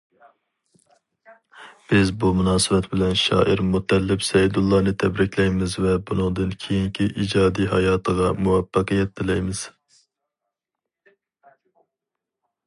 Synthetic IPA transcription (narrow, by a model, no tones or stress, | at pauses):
b̥ɪzbumunɑːsɨbɛt̪bɪlɛnʃɑ̰ːʔiɾmut̪ʰːɛlːɪpsɛjid̪ulˠːɑːnɨt̪ʰɛbɾɪkʲʰlɛjmɪzvɛbunɨŋd̪ɨnkʲʰejiŋkʲʰiʔid͡ʒɑːd̪iɦɑjɑːt̪ʰəʁɑmuwɛpːɑqijɛt̪̚d̪ɪlɛjmɪz̥